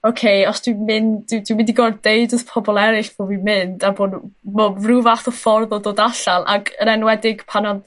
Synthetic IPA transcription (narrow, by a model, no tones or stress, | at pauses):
okʰejɔsd̥wɪmɪnɪdwimɪndiɡɔrdejdɔðpʰɔbɔlˠɛɾɪɬv̥ovimɪndaboːdmɔruvaθɔfɔrðɔdoːdaɬalˠa̰ɡəɾɛnwɛdɪɡ̥pʰanɔð